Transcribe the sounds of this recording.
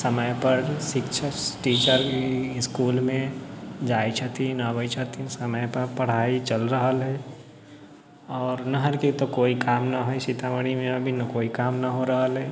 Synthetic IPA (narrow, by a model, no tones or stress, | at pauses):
sɐməjpɐɾʃɪkt͡ʃʰaʈiːt͡ʃəɾkiɪskuːlmẽd͡ʒaːit͡ʃʰət̪inaːbəjt͡ʃʰət̪isɐməjpɐɾpɐɽ̤aːit͡ʃɐlɾəɦəlɦɛ | ɔːɾnɐɦəɾket̪okoːikaːmnɐɦoeʃɪt̪aːʋəɽ̃imẽɐbʱinɐkoːikaːmnɐɦoɾɐɦəlɦɛː